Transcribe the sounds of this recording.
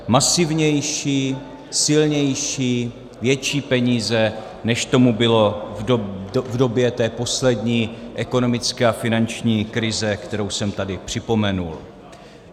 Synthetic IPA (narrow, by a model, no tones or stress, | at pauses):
masɪvɲɛjʃiː | sɪlɲɛjʃiː | vjɛt͡ʃiːpɛɲiːzɛ | nɛʃt̪o̞mubɪlo̞ | vdo̞bjɛt̪ɛːpo̞slɛdɲiːʔɛko̞no̞mɪt͡skɛːafɪnant͡ʃɲiːkɾɪzɛkt̪ɛɾo̞wsɛmt̪adɪpr̝̥ɪpo̞mɛnṵl